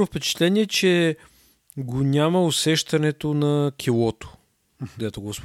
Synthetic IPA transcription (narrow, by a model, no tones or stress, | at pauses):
ʊfpɛt͡ʃɛ̥t̪lɛniɛt͡ʃɛ | ɡonʲaməʊsɛʃt̪ɐnɛt̪onɐkʲʰilˠɔt̪o̥ | kd̪ɛt̪oɡosp